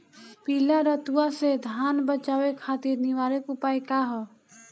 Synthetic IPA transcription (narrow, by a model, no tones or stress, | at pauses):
piːlaɾət̪uwased̪ʱaːnbət͡ʃaːwekʰaːt̪iɾniʋaːɾekupaːikaɦɔː